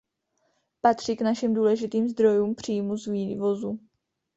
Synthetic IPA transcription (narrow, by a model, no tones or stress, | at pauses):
pat̪r̝̥iknaʃɪmduːlɛʒɪt̪iːmzd̪ɾo̞juːmpr̝̥iːmuzviːvo̞zu